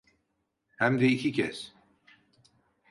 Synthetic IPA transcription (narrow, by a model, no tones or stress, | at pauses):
hæmd̪ɛicʰicʰɛs